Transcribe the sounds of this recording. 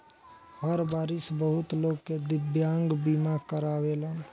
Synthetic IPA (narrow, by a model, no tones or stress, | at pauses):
ɦəɾbaːɾɪsbəɦʊt̪loːɡked̪ɪbjãːŋɡbiːmakəɾaːʋeːlən